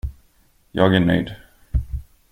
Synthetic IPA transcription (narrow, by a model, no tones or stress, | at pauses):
jɑːɡæɳœ̰jd̪